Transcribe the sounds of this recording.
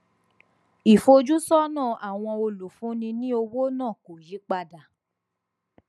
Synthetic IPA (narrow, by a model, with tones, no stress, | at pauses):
i˨fo˧d͡ʒu˦sɔ˦nãː˦˨a˨w̃ɔ̃˧o˧lu˨fũ˨˦nĩ˧nĩ˦o˧wo˦nãː˦˨ko˨ji˨˦k͡pa˧da˨